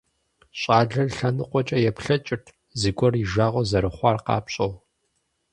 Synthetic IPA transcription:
ɕʼɑːɮɐrɬɐnɨqʷɔt͡ʃʼɐjɛpɬɐt͡ʃʼɪrtʰ | zɨɡʷʼɔriʒaːʁʷɔzɐɾɨχʷɑːrqɑ̰ːpɕʼɐw

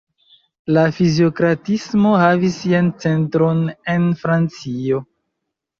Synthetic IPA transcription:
lafizio̞kɾatismo̞havisiant͡se̞ntɾo̞ne̞nfɾant͡sio̞

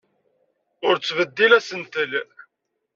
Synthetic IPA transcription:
ʊɾt͡sːvəd̪ːilæsənt̪əl

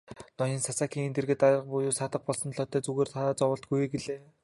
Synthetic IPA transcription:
nɔniːnsasaːkiːŋent̪ĕrɣɘ̆t̪aɾrə̆q̚pujuːsaːt̪ə̆χ̚pɔɮsɞ̆nɮɔːt̪ːœːt͡suɣeːrt̪ʰaːt͡sɔwə̆ɬt̪̚ɡujɡeɮeː

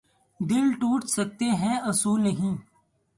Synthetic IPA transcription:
d̪ɪlʈuːʈsək̚t̪eɦɛ̃ɐsuːlnəɦĩː

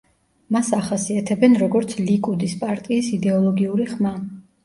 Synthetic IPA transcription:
masaχasiat̪ʰɛbɛnɾɔɡɔɾt̪sʰlikʼud̪ispʼaɾt̪ʼiːsid̪ɛɔlˠɔɡiuɾiχma

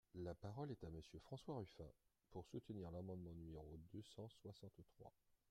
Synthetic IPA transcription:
lapaʁɔlɛt̪aməsjøfχɑ̃swaʁyfɛ̰̃ | puʁsut̪niʁlamɑ̃d̪mɑ̃nymeʁod̪øsɑ̃swasɑ̃t̪t̪χwa̰

